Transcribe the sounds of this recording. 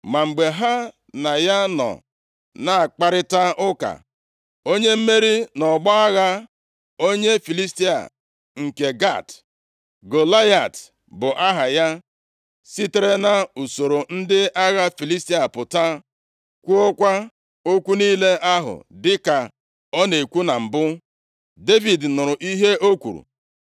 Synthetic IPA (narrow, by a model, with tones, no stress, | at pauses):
ma˨ŋ͡m̩˨ɡ͡be˨ɦa˦ | na˨ja˦nɔ̰˨ | na˦a˨k͡pa˦ɾɪ˦ta˦ʔʊ˦ka̰˨ | o˦ɲe˦m̩˦me˦ɾi˦nɔ˨ɡ͡bɔ˦a˦ɣa˦ | o˦ɲe˦fi˨li˦sti˦a̰˨ | ŋ̩˨ke˨ɡa˦˨t | ɡo˨la˦ja˨t | bʊ˨ʔa˦ɦa˨ja˦ | si˦te˨˦ɾe˦na˨u˨so˨ɾo˨n̩˦dɪ˦ʔa˦ɣa˦fi˨li˦sti˦a˨pʊ˨ta˦ | kʷu˦o˦kʷa˦ | o˦kʷu˦niː˦le˦ʔa˦ɦʊ̰˨dɪ˦ka˨ | ɔ˦ne˨kʷu˦na˨m̩˨bʊ˦ | de˦vi˨dnʊ˨ɾʊ˨ʔi˦ɦe˦ʔo˦kʷṵ˨ɾṵ˨